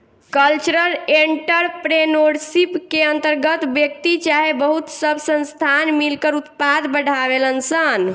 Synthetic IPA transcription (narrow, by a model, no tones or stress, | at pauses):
kəlt͡ʃɾəleɳʈəɾpɾenoɽsipkeənt̪əɾɡət̪bjək̚t̪it͡ʃaɦebəɦut̪səbsə̃nst̪ʰanmilkəɾut̪pad̪bəɽʱaβelənsən